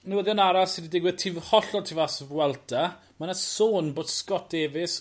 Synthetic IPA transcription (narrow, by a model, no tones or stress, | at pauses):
nuwəðjɔnaɾasɪdidɪɡwɪð̥tʰivhɔɬɔtʰivasvwɛlˠdʰa | manasoːnboːd̥skɔt̚d̥eːvɪs